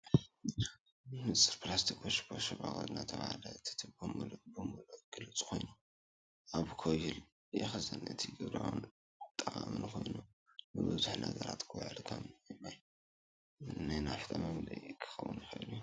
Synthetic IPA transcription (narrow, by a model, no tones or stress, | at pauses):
mɨt͡sʼːɨɾplast̪ʰikʼoʃbʰoʃɐβaɣolnat̪ʰɐβa̰halɐt̪ʰi̥t̪ʰɨbɨmlbɨmulɡ̥ɨlɨt͡sʼkʰo̞jnu | ʔaβkʰojɪl | jɛxɐzɐnɨt̪ʰiɡɨβɾawn | t̪ʼɐʔʼamɨnkʰo̞jnu | nɨbɨzuħnɐɡɐɾa̰t̪kʰɨwaʕlkʰɐmjɛmːaj | najnafɨt̪ʼɐmɐmlɐ̰jkʰɨ̥xɐwunjxɐiluju